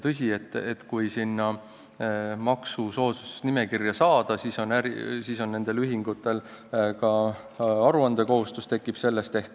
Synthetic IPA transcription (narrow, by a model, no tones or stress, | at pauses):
t̪ɤsʲie̞t̪ːˑet̪ːkujsinːɑ | mɑksuso̞ːsusnime̞kirjɑsɑːd̪̥ɑsiso̞næɾisiso̞nːe̞nd̪̥e̞lyɦiŋɡut̪ːˑe̞l | kɑ | ɑɾuɑnd̪̥e̞ko̞ɦust̪ust̪e̞kːˑib̥se̞lːe̞st̪e̞hk